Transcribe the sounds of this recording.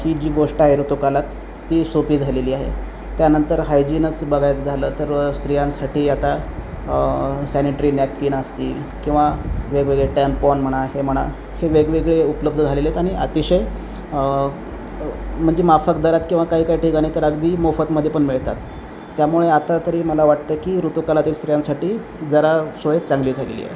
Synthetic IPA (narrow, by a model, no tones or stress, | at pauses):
hiːd͡ʑiːɡoʂʈəɦeɾut̪ukalat̪ː | iːsopiːd͡zʱaleliːaɦḛ | t̪janənt̪əɾɦajd͡ʑiːnət͡sbəɡʱajt͡sd͡zʱaləːt̪əɾst̪ɾijãnsaʈʰiːat̪a | sæniʈɾiːnjap̚kiːnəst̪iː | kĩw̃ʋaʋeɡʋeɡɭeʈɛmpɔnm̤əɽ̃aɦem̤əɽ̃a̰ | heʋeɡʋeɡɭeupləbd̪ʱəd͡zʱalelet̪aɽ̃iə̰t̪iɕəj | m̤əɳd͡zemafəkd̪əɾat̪kĩw̃ʋakaɦiːkaɦiːʈʰikañit̪əɾəɡd̪iːmofət̪məd̪ʱjepəɳmiɭt̪a̰t̪ː | jamuɭeat̪at̪əɾiːməlaʋaʈ̚t̪əkiɾut̪ukalat̪iːlst̪ɾijãnsaʈiː | d͡zəɾasʋəjet̪̚t͡saŋɡliːd͡zʱaɡḛlḭːjḛ